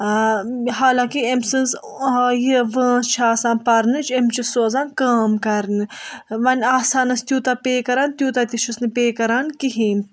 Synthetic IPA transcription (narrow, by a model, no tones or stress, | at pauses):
ɦaːlãːkiemsɨnz | jiʋə̃ːst͡ʃʰaːsãːnpɐɾnɨt͡ʃʰemt͡ʃisoːzãːnkaːmkɐɾnɨʋɐnʲaːsaːnɐst̪ʲjuːt̪apeːkɐɾaːnt̪ʲjuːt̪at̪iʃusnɨpeːkɐɾaːnkiɦiːm